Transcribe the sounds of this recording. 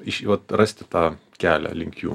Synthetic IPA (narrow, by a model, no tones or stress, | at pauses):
ɪʃiʋɐt̪rɐsʲt̪ʲɪt̪ɑːkʲæːlʲæ̰lʲɪŋʲkʲjṵː